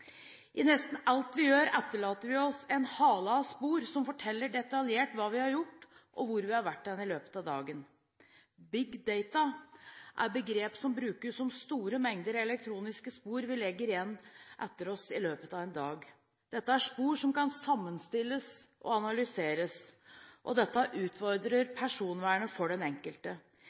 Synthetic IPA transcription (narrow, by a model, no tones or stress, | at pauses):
ʔɪnɛst̪n̩ɑlt̪ʋɪjøːɾɛt̪ːəɭɑːt̪əɾʋɪɔsɛnhɑːlɑspuːɾsɔmfɔʈʰɛlːəɖɛt̪ɑljeːʈʋɑːʋɪhɑɾjʊʈːʔɔʋʊɾʋɪhɑɾʋæʈːd̪ɛnɪløːpə̥t̪ɑd̪ɑːɡən | bɪɡd̪eɪt̪ɑʔæ̰ɾbəɡɾeːpsɔmbɾʉːkəʂɔmst̪uːɾəmɛŋd̪əɾɛlɛk̚t̪ʰɾuːnɪskəspuːɾʋɪlɛɡːəɾɪjɛnːʔɛt̪ːəɾɔsɪløːpət̪ɑʋɛnd̪ɑːɡ | d̪̥ɛt̪ːəæʂpuːɾʂɔmkɑnsɑmːənst̪ɪlːəs | ʔɔ̰ɑnɑlʏseːɾəsʔɔ̰d̪ɛt̪ːəʔʉːt̪fɔɾd̪ɾəɾpʰæʂuːnʋæːɳəfɔɖɛnɛŋkəlt̪ə